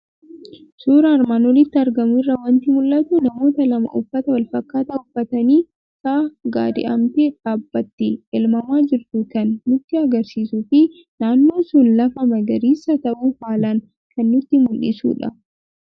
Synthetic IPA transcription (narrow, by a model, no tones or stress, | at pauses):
suːɾɐːɾmaːnwɔlɪt̪ːɪɐɾɡɐmʊɪrːɐwɐnt̪ɪmʊlʔɐt̪ʊnɐmo̞ːt̪ɐlɐmɐ̰ʔʊfːɐt̪ɐwɐlfɐkːaːt̪ɐʊfːɐt̪ɐniː | kaːɡa̰ːd̪ɪ̰ʔɐ̰mt̪eːᶑaːbːɐt̪ːɪɛlmɐmaːd͡ʒɪɾt̪ʊkɐnːʊt̪ːɪɐɡɐɾsiːsufɪ | naːnːo̞ːsʊnlɐfɐmɐɡɐɾiːsɐt̪ɐʔuːhaːlɐn | kɐnːʊt̪ːɪmʊlʔɪ̰sṵːᶑɐ̰